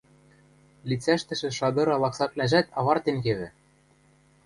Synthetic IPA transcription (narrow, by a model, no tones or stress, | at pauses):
lʲit͡sæʃt̪ɘ̆ʃɘ̆ʃɑd̪ɤ̆ɾɑlˠɑksɑp̪̚lʲæʒæt̪ɑβɑrt̪eŋkeβɘ̆